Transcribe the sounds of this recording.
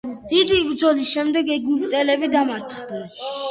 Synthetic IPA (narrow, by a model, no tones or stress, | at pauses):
d̪̥id̪ibɾd̪zɔlisʃɛmd̪ɛɡɛɡuɾt̪ʼɛlɛbid̪amaɾt̪sʰχd̪ɛn